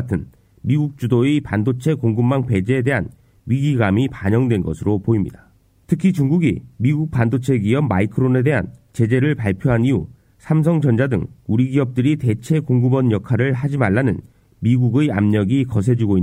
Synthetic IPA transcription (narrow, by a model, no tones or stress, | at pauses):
tʰɯn | miɡuk̚t͡ɕ͈udoipandot͡ɕʰe̞koŋɡɯmːaŋpe̞d͡ʑeːde̞ɦan | ɥiɡiɡamipaɲʌŋdwe̞nɡʌ̰sʰɯɾopoimɲḭda | tʰɯkʰit͡ɕuŋɡuɡḭmiɡuk̚pandot͡ɕʰe̞ɡiʌp̚maikʰɯɾone̞de̞ɦa̰nt͡ɕe̞d͡ʑe̞ɾɯɭpaɭpʰjoɦaniu | sʰams̬ʰʌŋd͡ʑʌnd͡ʑadɯŋuɾiɡiʌp̚t͈ɯɾite̞t͡ɕʰe̞koŋɡɯbʌnjʌkʰaɾɯɭɦad͡ʑimaɭːanɯn | miɡuɡɯja̰mɲʌɡikʌs̬ʰe̞d͡ʑiɡoi